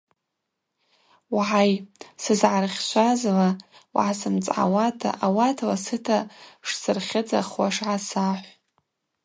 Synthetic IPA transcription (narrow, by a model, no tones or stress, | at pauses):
wʕajsɨzʕarχʲʃʷʰazlawʕasɨmt͡sʼʕa̰watʰa̰ʔawatʰlasɨtʰaʂsɨrχʲɪd͡za̰χwaʂʕasaħʷ